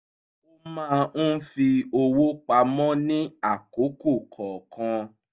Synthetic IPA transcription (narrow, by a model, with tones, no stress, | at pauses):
o˦mã˦˧n̩˦fi˧o˧wo˦k͡pa˧mɔ̃˦nĩ˦a˦˨ko˨˦ko˦˨kʰɔ̃˨kʰã˧